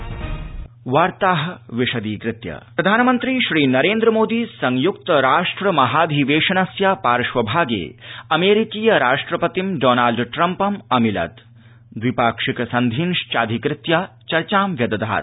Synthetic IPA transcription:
ʋaːɾt̪aːɦɐʋiʃɐd̪iːkɾɪt̪jɐ̰pɾɐd̪ʱaːnɐmɐnt̪ɾiʃɾiːnɐɾeːnd̪ɾɐmoːd̪iːsɐŋjuk̚t̪ɐɾaːʂʈɾɐmɐɦaːd̪ʱiːʋeːʂɐnɐsjaːpaːɾʃʋɐbʱaːɡḛːɐmeːɾikiːjɐɾaːʂʈɾɐpɐt̪imɖoːnaːlɖʈɾɐmpɐmɐmilɐ̰t̪ | d̪ʋipaːkʂikɐsɐnd̪ʱinʃt͡ʃaːd̪ʱikɾɪt̪jaːt͡ʃɐɾt͡ʃaːmʋjɐd̪ɐd̪ʱa̰ːt̪

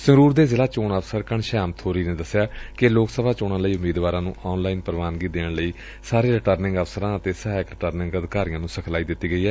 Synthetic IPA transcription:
səɾuːɾd̪eːzɪlaːt͡ʃoːɳəfsəɾkəɳʃaːmt̪ʰoːɾiːnẽːd̪əsːɪjaːkɪloːksəbaːt͡ʃoːɽãːləiːʊmːiːd̪ʋaːɾãːnũːʔɔːnlaːiːnpəɾʋaːnɡiːd̪eːɽləiː | saːɾeːɾɪʈəɾnɪ̃ŋɡəfsəɾãːət̪eːsəɦaɪkɾɪʈəɾnɪ̃ŋɡəd̪kaːɾijãːnũːsəkʰlaːiːd̪ɪt̪ːiːɡəiːɦɛː

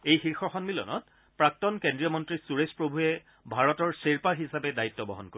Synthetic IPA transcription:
ejxixɔxɔnmilɔ̰nɔ̰t | pɹak̚tɔnkendɹijɔmɔntɹisuɹespɹobʱuɛ | bʱaɹɔtɔɹseɹpaɦisapɛdaitːɔbɔ̰ɦɔ̰nkoi

